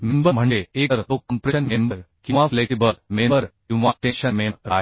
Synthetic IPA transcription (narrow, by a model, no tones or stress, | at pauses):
mimbəm̤əɳeekəɾt̪okːəmpɾeənmembəɾkĩʋafleʈibəlmeməɾkĩw̃ʋãʈeɕənmemɾa̰ɦ